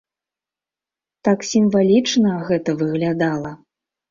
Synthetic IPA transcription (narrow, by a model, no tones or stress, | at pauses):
t̪aksʲimvalʲit͡ʂnɐɣɛt̪ɐvɨɣlʲad̪alˠɐ